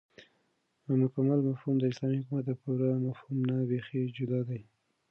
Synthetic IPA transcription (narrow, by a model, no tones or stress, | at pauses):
mʊkamalmafhumd̪əɪslɑmihʊkumat̪̚d̪əpuɾamafhumnabexed͡ʒʊd̪ɑd̪aj